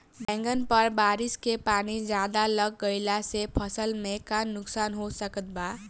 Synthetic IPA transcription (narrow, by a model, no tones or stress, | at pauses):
bɛ̃ŋɡənpʌɾbaɾiskepanid͡ʒjad̪alʌɡ̚ːəjlasepʰʌsəlmekanːuksanɦosəkət̪̚ba